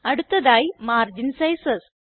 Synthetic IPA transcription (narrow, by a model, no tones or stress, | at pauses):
ɐɽut̪ːɐðaːjimaːrd͡ʑinsɐjsɐs